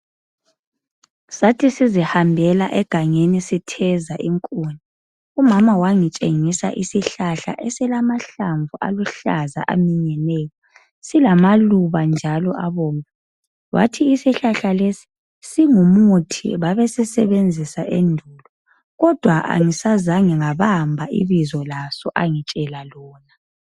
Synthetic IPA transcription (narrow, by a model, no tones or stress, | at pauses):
satʰisizihambʱɛla̰ʔɛɡ̥ʱaŋenisitʰɛzaʔiŋkʼuni | umamawaŋit͡ʃʼeŋisa̰ʔisiɬaɬa̰ʔɛsɛlamaɬaɱvuʔa̰luɬaza̰ʔa̰miɲɛnɛːjɔ | silamaluβand͡ʒʱalɔʔaβɔːŋa | wʔa̰tʰiːsiɬaɬalesi̥ | siŋumutʰḭβaβesɛsɛβend͡zʱisaʔendʱuːlɔ | ɣɔd̥ʱwaʔa̰ŋisazaŋiŋaβambʱaʔḭβizɔlasɔʔaŋit͡ʃʼɛlalɔːna